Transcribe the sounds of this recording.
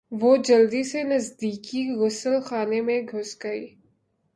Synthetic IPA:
ʋod͡ʒɐld̪isenɐzd̪iːkiɣʊsəlxaːnemẽɡʱʊsɡɐḭː

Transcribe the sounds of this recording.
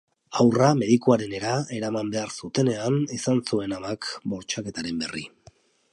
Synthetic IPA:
awrame̞ðikuaɾe̞ne̞ɾae̞ɾamambe̞aɾsut̪e̞ne̞anisansue̞namakbo̞ɾt͡ʃake̞t̪aɾe̞mbe̞rḭ

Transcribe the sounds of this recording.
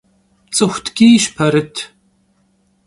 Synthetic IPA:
t͡sʼɨxʷtʰɡiːʃpʰɐɾɨtʰ

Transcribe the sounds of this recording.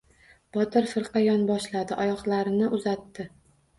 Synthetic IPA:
b̥ɒt̪ɪɾfɪɾqɑjɒnbɒʃlad̪ɪʔɒjɒχlˠaɾɪnɪʔʊzat̪ːɪ

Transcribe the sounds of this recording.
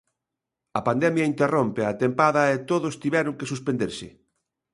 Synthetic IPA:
ɐpand̪ɛmjɐint̪erompeat̪empaðɐet̪oðost̪iβɛɾʊŋkesuspend̪eɾsɪ̰

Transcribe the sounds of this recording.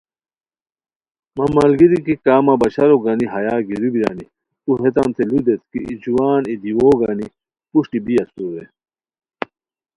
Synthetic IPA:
mɐmɐlɡiɾikikaːmɐbɐɕɐɾoɡaniɦɐjaːɡiɾubiɾa̰ːni | uɦet̪̬ɐnt̪ʰelud̪et̪kḭḭd͡ʑuwaːnid̪iwoːɡani | puɕʈibijɐsuɾe

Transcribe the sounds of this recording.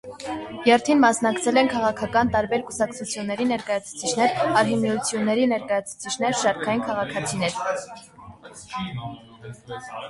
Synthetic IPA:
jɛɾt̪ʰinmɑsnɑkt͡sʰɛlɛnkʰɑʁɑkʰɑkɑnt̪ɑɾbɛɾkusɑkt͡sʰut͡sʰjunːɛɾinɛɾkɑjɑt͡sʰu̥t͡sʰit͡ʃʰnɛɾɑɾɦimiut͡sʰjunːɛɾinɛɾkɑjɑt͡sʰu̥t͡sʰit͡ʃʰn̪ɛɾʃɑɾkʰɑjinkʰɑʁɑkʰɑt͡sʰinɛɾ

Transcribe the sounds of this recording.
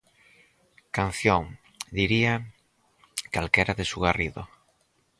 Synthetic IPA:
kan̟θjoŋ | d̪iɾia | kalkeɾaðesuɣariðo̰

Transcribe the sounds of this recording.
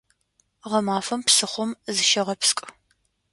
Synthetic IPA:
ʁɐmaːfɐmpsɨχʷɔmzɨʃɐʁɐpskʼ

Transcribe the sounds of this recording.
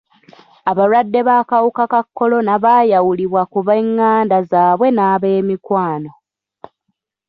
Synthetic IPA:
aβalwadːe̞βaːkawukakakːo̞lo̞naβaːjawuliβwakuβeŋːaːndazaːβwe̞naːβe̞ːmikwaːno̞

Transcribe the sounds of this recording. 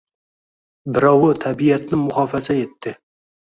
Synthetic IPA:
bɪɾɒwʊt̪ʰabijat̪nɪmʊχɑfazae̞t̪ːɪ

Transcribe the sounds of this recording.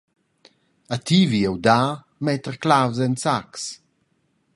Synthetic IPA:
at̪iviɛwd̪aː | mɛt̪əɾklawzɛnsaks

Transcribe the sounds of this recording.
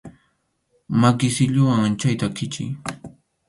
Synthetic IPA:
makɪsɪʎʊwaŋant͡ʃajt̪akɪt͡ʃɪ̰j

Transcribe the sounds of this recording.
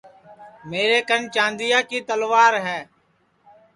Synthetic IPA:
meːɾeːkənt͡ʃãːnd̪ɪjaːkiːt̪əlʋaːɾɦɛː

